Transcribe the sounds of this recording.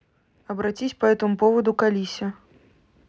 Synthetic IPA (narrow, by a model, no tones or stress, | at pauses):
ɐbɾat͡sʲisʲpɐɛt̪ɨmupɔvɐd̪ukalʲisʲɐ